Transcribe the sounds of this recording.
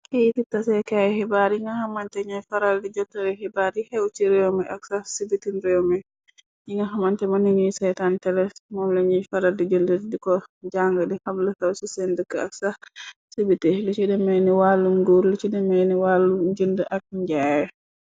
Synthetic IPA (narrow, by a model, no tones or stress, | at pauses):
kititːasɛkajhɛbaɾiŋɡahamantɛɲajfaɾaldid͡ʒɔtːaɾɛhɛbaɾihɛwt͡ʃiɾɛwmɛʔaksasibitinɾɛwmɛ | jiŋɡahamantɛmaniɲujsɛjtantɛlɛmɔmlɛɲifaɾaldid͡ʒundədikɔd͡ʒaŋɡədihamləhɛwsusɛndəkːəak̚sasibitilut͡ʃidɛmɛniwalːumɡuɾlut͡ʃidɛmɛniwalːumd͡ʒundəʔak̚ɲd͡ʒaɛ